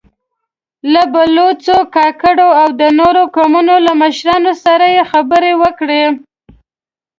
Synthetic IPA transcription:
labalot͡sokɑkəɽoawd̪ənoɾokamunolaməʃɾɑnosaɾajexabəɾewəkɽe

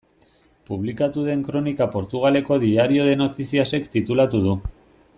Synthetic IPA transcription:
puβ̞likat̪uð̞e̞ŋkɾo̞nikapo̞ɾt̪uɣ̞ale̞ko̞ðiaɾio̞ðe̞no̞t̪isiase̞kt̪it̪ulat̪uð̞u

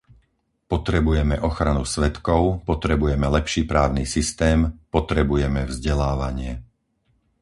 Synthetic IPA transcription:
pɔt̪ɾɛbujɛmɛʔɔxɾanusʋɛt̪kɔʊpɔt̪ɾɛbujɛmɛlɛpʃiːpɾaːʊniːsist̪ɛːmpɔt̪ɾɛbujɛmɛvzɟɛlaːʋaɲɪɛ

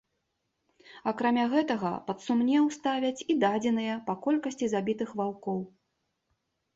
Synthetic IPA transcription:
akɾamʲaɣɛt̪ɐɣɐ̰pɐt̪sumnʲɛwst̪avʲɐt͡sʲid̪ad͡zʲɛnɨjɐpakɔlʲkɐsʲt͡sʲizabʲit̪ɨxvawkɔw

